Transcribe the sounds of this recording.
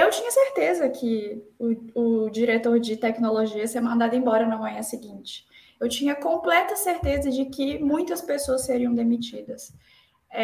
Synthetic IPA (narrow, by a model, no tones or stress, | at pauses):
ewt͡ʃĩɲɐseɾt̪ezɐkʰɪʊʊd͡ʒiɾet̪oɾd͡ʒɪt̪ɛknoloʒiɐseɾmɐ̃nd̪ad̪ʊẽbɔɾɐnɐmɐ̃ɲɐ̃sɪɡĩnt͡ʃɪ̥ | ewt͡ʃĩɲɐkõmplɛt̪ɐseɾt̪ezɐd͡ʒɪkɪmũj̃t̪ɐspesoɐseɾiɐ̃w̃d̪emit͡ʃid̪ɐs